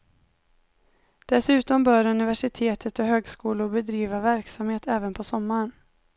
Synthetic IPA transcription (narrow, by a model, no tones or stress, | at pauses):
d̪̥ɛsʉ̟ːt̪ɔmbœːɾɵnɪvæʂɪt̪ʰeːt̪ʰət̪ɔɦøːɡskuːlʊɾbɛd̪ɾiːvavæɾksamheːt̪ɛːvənpʰɔsɔmːaɾən